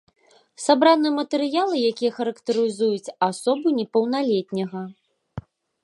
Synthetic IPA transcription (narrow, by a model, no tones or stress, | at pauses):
sabɾanɨjɛmɐt̪ɛɾɨjalˠɨjakʲijɐxɐɾɐkt̪ɨɾɨzujut͡sʲasɔbunʲɛpɐwnalʲet̪ʲnʲɐɣɐ